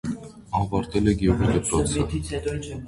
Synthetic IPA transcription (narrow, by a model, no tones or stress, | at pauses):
ɑvɑɾt̪ɛlɛɡʲɛʁid̪əpɾɔt͡sʰə